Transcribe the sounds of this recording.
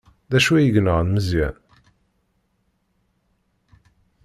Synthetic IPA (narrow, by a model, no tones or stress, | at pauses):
ðæʃuæjəʝnəʁnməzjæ̰n